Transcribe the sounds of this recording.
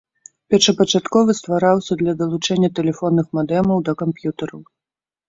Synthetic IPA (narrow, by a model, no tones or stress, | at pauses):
pʲɛʂɐpɐt͡ʂat̪kɔvɨst̪vaɾawsʲɐd̪lʲɐd̪ɐlˠut͡ʂɛnʲːɐt̪ɛlʲɛfɔnːɨxmad̪ɛmɐwd̪ɐkampjut̪ɐɾɐw